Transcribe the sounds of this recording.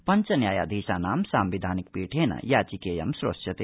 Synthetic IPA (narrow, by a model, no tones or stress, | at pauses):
pɐɲt͡ʃɐnjaːja̰ːd̪ʱiːʃaːnaːmsaːmʋid̪ʱaːnik̚piːʈʰeːnɐ̰jaːt͡ʃikeːjɐ̰msɾo̰ʂjɐt̪eː